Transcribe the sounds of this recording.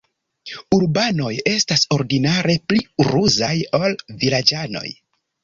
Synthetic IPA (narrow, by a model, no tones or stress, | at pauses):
uɾbano̞je̞staso̞ɾɡinaɾe̞pliɾuzajolvilad͡ʒano̞̰j